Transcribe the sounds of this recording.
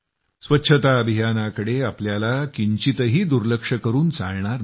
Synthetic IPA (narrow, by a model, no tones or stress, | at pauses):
sʋətːɕʰət̪aəbʱijanakəɽeapljalakiɲt͡ɕit̪əɦiːd̪uɾləkʂəkəɾuːnt͡sa̰ɭɳaɾ